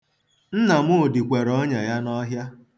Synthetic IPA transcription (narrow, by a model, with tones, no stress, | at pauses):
n̩˦na˨mʊ˦˨di˨kʷe˨ɾɔ˦ɲa˨ja˦nɔ˦ɦja˦